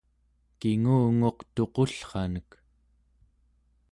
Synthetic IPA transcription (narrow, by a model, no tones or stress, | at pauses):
kiŋuːŋo̞qt̪o̞qoɬχɑnək